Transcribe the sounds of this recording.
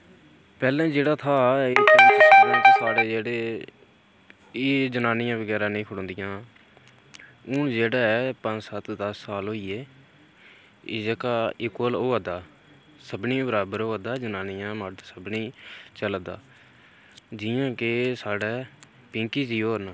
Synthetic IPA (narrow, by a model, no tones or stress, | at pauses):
pɛːlɛ̃ːd͡ʒeːɽaːt̪ʰaːeːsəlãːt͡ʃesaːɽeːd͡ʒeːɽeː | eːd͡ʒənaːnɪjãːʋəɡɛːɾãːnĩːkʰʊɽõːnd̪ɪjãː | ʊnd͡ʒeːɽaːpə̃nd͡ʒsət̪d̪əsːaːlɦoːiːeː | ɪd͡ʒəkaːɪkwəloːaːd̪aː | səbniːbəɾaːbəɾoːad̪aːd͡ʒənaːnɪjãːməɖsəbniːt͡ʃəld̪a̰ː | d͡ʒɪːãːkesaːɽɛː | pɪ̃ːŋkiːd͡ʒiːɦoːɾnãː